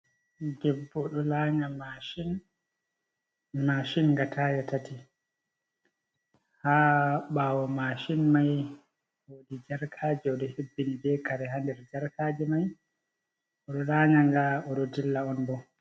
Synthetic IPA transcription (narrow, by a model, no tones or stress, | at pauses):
ɡɛbːɔɗɔlaːɲamaʃin | maːʃinɡatʰajatati | haːɓawɔmaʃinmaj | wodid͡ʒaɾkʰaːd͡ʒɛɔɗɔhebːinibɛkaɾɛɦandɛɾd͡ʒaɾkaːd͡ʒɛmaj | ɔɗɔlaːɲaŋɡaɔɗɔdilːaɔnbɔ